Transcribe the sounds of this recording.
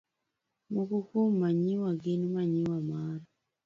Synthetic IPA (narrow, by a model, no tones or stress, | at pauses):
mukukumːaɲiwaɡinumaɲiwamaːɾa